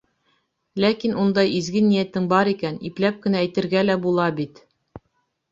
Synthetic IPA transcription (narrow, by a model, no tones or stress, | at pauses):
lækinund̪ɑjizɡɘnijæt̪ɘŋbɑɾikæniplæp̚kɘ̆næːjt̪ɘ̆ɾɡælæbulˠɑbit̪